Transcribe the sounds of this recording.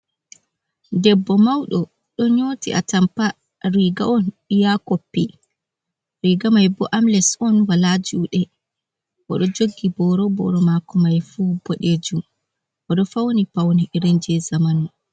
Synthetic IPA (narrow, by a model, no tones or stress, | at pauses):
dɛbːɔmawɗɔ | ɗɔɲotḭʔa̰tampa | ɾiɡaɔn | ijakopːi | ɾiɡamajbɔʔamlɛsɔnwalad͡ʒuːɗɛ | ʔɔ̰ɗɔd͡ʒoɡːibɔɾɔbɔ̰ɾɔmakɔmajfubɔɗed͡ʒum | ʔɔɗɔfawnipawniɾɛɲd͡ʒɛzamanɔ